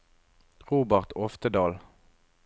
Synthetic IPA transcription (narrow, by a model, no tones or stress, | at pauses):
ʁuːbəʁt̪ɔft̪əd̪ɑːl